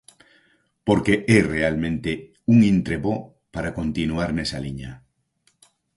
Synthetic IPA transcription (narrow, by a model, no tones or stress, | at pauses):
poɾkeʔerealmẽnt̪e | uŋĩnt̪ɾeβo | paɾakont̪inuaɾnesaliɲa